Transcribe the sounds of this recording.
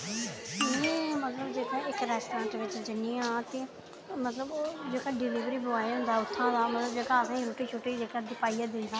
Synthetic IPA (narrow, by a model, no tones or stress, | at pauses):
mɛ̃ːmət̪ləbd͡ʒeːkãːɪkɾɛːsʈãːɳʈʋɪt͡ʃd͡ʒəniːãːt̪eː | mət̪ləbd͡ʒeːkaːɖɪliːʋɾiːbʊaːeɦʊ̃nd̪aːʊt̪ʰːãːd̪aːmət̪ləbd͡ʒeːkãːəsãːĩɾuːʈiːt͡ʃʰoːʈeːd͡ʒeːkãːd̪ɪpaːijãːd̪ɪ̃nd̪aː